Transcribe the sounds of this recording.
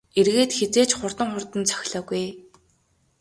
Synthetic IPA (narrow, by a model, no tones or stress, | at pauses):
erɣeːt̪xet͡seːt͡ɕχʊr̥t̪ə̆ŋχʊrt̪ə̆nt͡sʰœ̥xʲɮɔːɣuj